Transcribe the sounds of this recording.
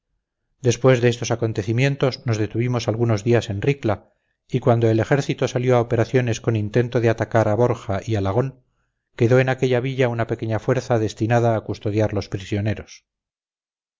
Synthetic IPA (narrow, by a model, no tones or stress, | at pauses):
d̪e̞spwe̞zðeest̪o̞sako̞nt̪e̞θimje̞nt̪o̞zno̞zðet̪uβimo̞salɣuno̞zðiase̞nrrikla | ikwand̪o̞ele̞xe̞ɾθit̪o̞saljo̞aope̞ɾaθjo̞ne̞sko̞nint̪e̞nt̪o̞ðeat̪akaɾaβo̞ɾxaʔialaɣ̞o̞ŋ | ke̞ðo̞e̞nake̞ʎaβiʎaunape̞ke̞ɲafweɾθaðe̞st̪inaðaːkust̪o̞ðjaɾlo̞spɾisjo̞ne̞ɾos